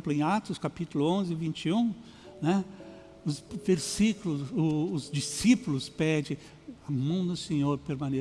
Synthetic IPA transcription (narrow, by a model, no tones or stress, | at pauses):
plʊẽj̃at̪ʊskapit̪ʊlʊõzɪvĩnt͡ʃiũ | nɛ | ʊsveɾsiklʊzʊːzd͡ʒisipʊlʊspɛd͡ʒɪ̃ | amɐ̃w̃d̪ʊsẽɲoɾpeɾmɐ̃ne